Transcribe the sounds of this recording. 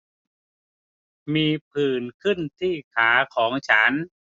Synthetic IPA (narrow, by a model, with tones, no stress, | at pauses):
miː˧pʰɯː˨˩nkʰɯ˥˩nt̪ʰiː˥˩kʰaː˩˦kʰɔː˩˦ŋt͡ɕʰa˦˥n